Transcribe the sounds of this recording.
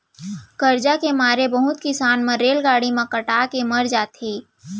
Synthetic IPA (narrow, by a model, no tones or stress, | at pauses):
kəɾd͡ʒakemaːɾebəɦʊt̪kɪsaːnmãɾeːlɡaːɽimãkəʈaːkeməɾd͡ʒaːt̪eː